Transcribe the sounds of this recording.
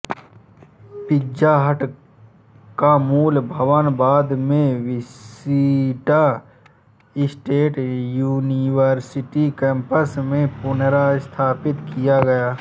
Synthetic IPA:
pɪd͡ʒaɦəʈ | kamuːlbʱəʋənbaːd̪mẽʋɪsiʈa | ɪsʈeːʈjuːniʋəɾsɪʈikɛ̃ːmpəsmẽpʊnɾaɪst̪ʰaːpɪt̪kijaɡɐjaː

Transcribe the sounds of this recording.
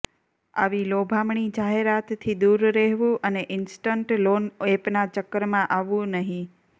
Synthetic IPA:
a̰ʋilobʱamɳid͡ʒaɦeɾat̪t̪ʰːid̪uɾːeɦʋũʔəneʔɪnsʈəɳʈlonepnat͡ʃəkːəɾmãʔaʋũnəɦĩ

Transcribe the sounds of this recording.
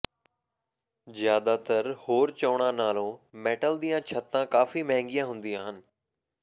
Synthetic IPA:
zjaːd̪at̪əɾhoːɾt͡ɕəʋɽ̃ãnaːl̤õmeːʈəld̪ijãt͡ɕʰɐt̪ːãkaːfimɐɦɛ̃ŋɡijãɦʊ̃ːn̆d̪iaːɦənɪ̆

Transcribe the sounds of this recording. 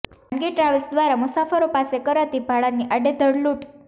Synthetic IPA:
əɳɡeʈɾaʋisd̪ʋaɾamusafəɾopasekəɾat̪ibʱaɭanːiʔaɖed̪ʱəɽluʈ

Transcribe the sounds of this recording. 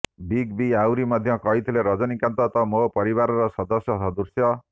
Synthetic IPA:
biɡbiawɾimʌd̪ʱjʌ̃kʌjt̪ʰileɾʌd͡zʌnikant̪ʌt̪ʌmopʌɾibaɾɾʌsʌd̪ʌsjʌsʌd̪ursjʌ

